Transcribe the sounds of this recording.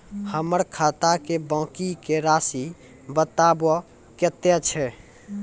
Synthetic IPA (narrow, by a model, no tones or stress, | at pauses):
həməɾkʰat̪akebãːkikeɾasi | bət̪abɔ | ket̪jet͡ʃʰɛ